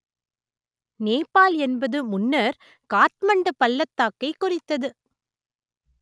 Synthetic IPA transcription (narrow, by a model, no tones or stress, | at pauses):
neːpːaːlɛnbɐðɯmʊnːɐɾ | kaːt̪̚mɐɳɖɐpɐlːɐt̪ːaːkːɐɪkːʊrɪt̪ːɐðɯ